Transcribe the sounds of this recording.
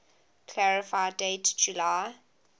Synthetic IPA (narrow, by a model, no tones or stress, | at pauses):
kʰlaɹɪfaɪdetd͡ʒulaɪ